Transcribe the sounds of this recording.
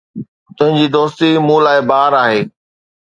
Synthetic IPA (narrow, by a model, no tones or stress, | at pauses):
t̪ʊ̃ɦɪ̃ɲd͡ʑiːd̪oːst̪imũlaːɪbaːɾaːɦeː